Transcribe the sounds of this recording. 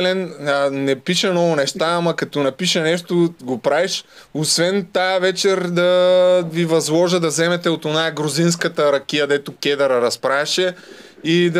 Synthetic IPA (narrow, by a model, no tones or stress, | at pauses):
lɛnːɛpiʃɛnɔvʊnɛʃt̪aamɐkɐt̪ɔnɐpiʃɐnɛʃt̪oɡopɾavɛʃ | osvɛnt̪ajəvɛt͡ʃɛɾd̪ɐvivɐzlˠɔʒəd̪ɐzɛmɛt̪ɛot̪onaɛɡɾozins̬kət̪əɾɐkʲijəd̪ɛt̪okʲɛd̪ɐɾɐɾɐspɾaʃɛ | id̪